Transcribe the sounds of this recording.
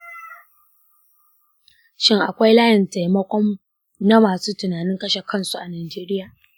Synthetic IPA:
ʃɪ˦ŋʔa̰˨kʷa˦jlaː˦jɪ˨nta˨jmɐ˦kʷɔ˦m | na˦maː˨suː˦tʊ˨naː˨nɪ˦ŋkɐ˦ʃe˨kʰɐ˦nsu˨ʔa˨naː˨d͡ʒeː˦ɾɪ˦jaː˨

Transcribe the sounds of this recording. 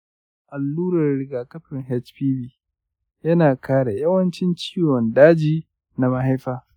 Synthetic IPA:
ʔa˨lːuː˦ɾɐ˨rɾɪ˨ɡaː˨kɐ˦ɸɪ˨ŋɦɛ˦t͡ʃɸiː˦biː˦ | jɐ˦naː˨kaː˦ɽa˨jɐ˦wɐ˦nt͡ʃɪ˦nt͡ʃi̥ː˦wɔ˨ndaː˦d͡ʒiː˦ | na˨ma˦ɦa˦jɸaː˦

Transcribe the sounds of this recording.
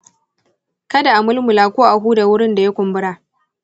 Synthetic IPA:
kɐ˦da˨ʔa˨mʊ˦lmʊ˨laː˨kʷoː˦ʔa˨ɦuː˦da˨wʊ˦ɽɪ˦nda˨ja˦kʷʊ˨mbʊ˦ɽaː˨ʔ

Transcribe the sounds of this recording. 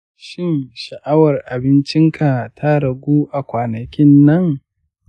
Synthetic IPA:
ʃɪ˦˨nʃɐ˨ʔa˦wɐ˨rʔa˨bɪ˦nt͡ʃɪ˦ŋkʰa˨tʰa˦ɽɐ˨ɡʷuː˦ʔa˨kʷaː˨nɐ˨kʲɪ˦nːɐ˦ŋ

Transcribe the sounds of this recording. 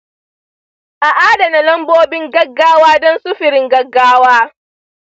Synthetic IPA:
ʔa˨ʔaː˦da˨na˨lɐ˦mboː˦bɪ˦ŋɡɐ˦ɡːaː˦waː˦dɔ˦nsʊ˦ɸɪ˨ɾɪ˦ŋɡɐ˦ɡːaː˦waː˦

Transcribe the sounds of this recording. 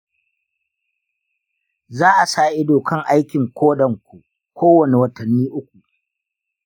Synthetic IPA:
zaː˦ʔa˨saː˦˨ʔɪ˦doː˨kɐ˦ŋʔa˦jkʲɪ˨ŋkʷʰoː˦ɗɐ˨ŋkʷu˨ | kʷʰoː˦wɐ˨ne˨wɐ˦tɐ˨nːiː˦ʔʊ˦kʷu˨ʔ

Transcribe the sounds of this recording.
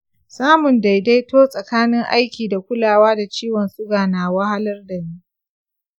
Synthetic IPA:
saː˦mʊ˨nda˨jda˦jtoː˦sʼɐ˨kaː˦nɪ˦ŋʔa̰˦jkʲiː˨da˨kʷʊ˦laː˨waː˦da˨t͡ʃiː˦wɔ˨nsʊ˦ɡaː˨naː˨wɐ˦ha˦lɐ˦rda˨miː˦ʔ

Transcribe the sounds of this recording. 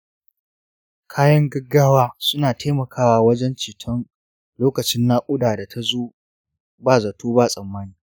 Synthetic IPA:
kʰaː˦jɐ˦ŋɡɐ˦ɡːaː˦waː˦sʊ˦naː˨tʰeː˦mɐ˨kʰaː˦waː˨wɐ˦d͡ʒɛ˦nt͡ʃiː˨tʰɐ˦n | loː˦kɐ˨t͡ʃɪ˦nːaː˦kʷʼʊ˦daː˨da˨tʰa˦zoː˦ | baː˦zɐ˨tʰoː˦baː˦˨sʼɐ˨mːaː˦niː˦

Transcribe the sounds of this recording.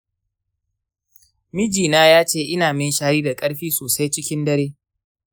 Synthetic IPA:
mɪ˦d͡ʒiː˨naː˦jaː˦t͡ʃeː˦ʔɪ˦naː˨mɪ˦nʃaː˦ɾiː˦da˨kʼɐ˦ɽɸiː˦soː˨sa˦jt͡ʃɪ˦kʲɪ˦ndɐ˦ɾeː˦

